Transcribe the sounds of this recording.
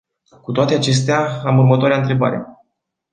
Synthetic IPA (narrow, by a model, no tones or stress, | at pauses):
kut̪oat̪e̞at͡ʃe̞s̬t̪eaamurmət̪oaɾeaɨnt̪ɾe̞ba̰ɾḛ